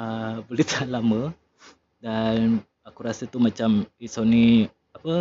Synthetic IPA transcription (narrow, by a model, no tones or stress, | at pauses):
əbolɛt̪lamə | dan | akuɾasət̪umat͡ʃamisoni | apə